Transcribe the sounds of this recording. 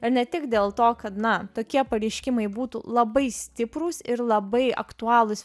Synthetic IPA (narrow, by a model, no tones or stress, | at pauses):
ɪɾnʲɛt̪ʲɪkd̪ʲeːlˠt̪oːkɐt̪nɐt̪oːkʲiɛpɐɾʲɛɪʃʲkʲɪmɐɪbuːt̪ṵlˠɐbɐɪsʲt̪ʲɪpɾuːsɪɾlˠɐbɐɪɐ̰kt̪uɑːlˠʊs